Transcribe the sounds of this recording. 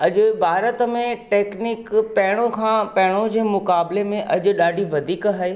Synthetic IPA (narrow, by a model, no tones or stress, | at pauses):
ɐʄʊ̆bʱaːɾət̪mẽʈeːknɪkpɐɦɪɽ̃õkʰãːpɐɦɪɽ̃õd͡ʑeːmʊkaːblemẽʔɐʄʊ̆ɗaːɖʱiʋɐd̪ʱiːkɦaːeː